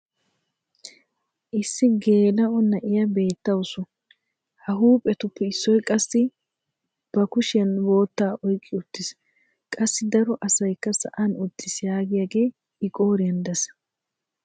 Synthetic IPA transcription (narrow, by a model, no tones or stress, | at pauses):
ʔɪsːɪɡe̞ːlɐʔɔnːɐʔɪjɐbe̞ːt̪ːɐwsʊ | hɐɦuːpʼːɛt̪ʊpːɛɪsːɔjkʼɐsːɪ | b̥ɐkʊʃɐnwo̞ːt̪ːaːʔɔjkʼːɪʊt̪ːɪs | kʼɐsːɪd̪ɐɾɔʔɐsɐjkːɐsɐ̰ʔɐnʊd̪ːɪsjaːɡɪjaːɡe̞ː | ɪkʼo̞ːɾɪjɐnd̪ɐs